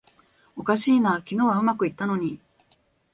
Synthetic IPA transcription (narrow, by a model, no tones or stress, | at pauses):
o̞kaɕiːnakʲino̞ːβaɯ̟makɯ̟it̪ːano̞ɲ̟i